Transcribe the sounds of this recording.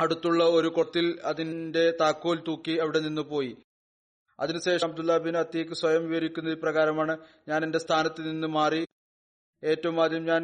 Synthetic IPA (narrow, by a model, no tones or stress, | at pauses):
ɐɽut̪ːuɭːɐo̞ɾukot̪ːilɐðinde̞t̪aːkːolt̪uːkːiɐʋiɽe̞ninːɨpo̞ːji | ɐ̰ðinɨɕe̞ːʂɐbd̪ulːaːbinɐt̪ːiekːɨsʋɐjɐmʋiʋɐɾikʲːunːɐiːprɐɣaːɾɐmaːɳɨ | ɲaːnende̞st̪ʰaːnɐt̪ːɨninːɨmaːri | e̞ːtːɐʋumaːd̪ʱjɐumɲaːn